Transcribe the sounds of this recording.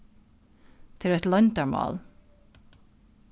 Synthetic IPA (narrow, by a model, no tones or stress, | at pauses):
t̪ʰɪlɛt̪lɔnt̪aɹmɑ̰ːl